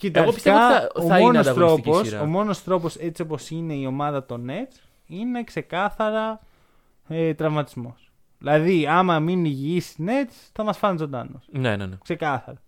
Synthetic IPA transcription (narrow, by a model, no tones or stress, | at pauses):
cit̪ɐɣopiseɐɐomɐmonosɐt̪ɾoposomo̞no̞st̪ɾo̞po̞se̞t͡sio̞po̞sine̞io̞mɐðɐt̪o̞ne̞t͡s | ine̞kse̞kɐθɐɾɐ | et̪ɾɐvmɐt̪izmo̞s | ðilɐðiɐmɐminʝiisne̞t͡s | θɐmɐsfɐnizo̞nd̪ɐ̰nosnenḛnkse̞kɐθɐɾɐ